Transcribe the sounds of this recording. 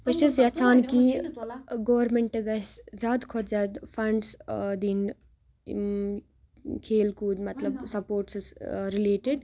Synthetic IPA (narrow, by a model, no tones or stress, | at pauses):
kɐt͡ʃisjɐt͡ʃʰaːnkĩ | ɡoʋɐɾmeɳʈɐɡɐszʲaːd̪kʰɔt̪zaːd̪fɐɳɖsd̪in | kʰeːlkuːd̪mɐt̪lɐbsɐpoːɾʈsisɾileːʈeɖ